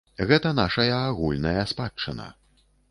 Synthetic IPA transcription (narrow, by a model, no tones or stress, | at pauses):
ɣɛt̪ɐn̪aʂɐjɐːɣulʲnɐjɐspat͡ʂːɐnɐ̰